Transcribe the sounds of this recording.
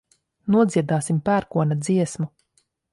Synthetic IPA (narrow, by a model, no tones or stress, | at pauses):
nuɔd̪ziɛd̪aːsimpæːɾkuɔnad̪ziɛsmu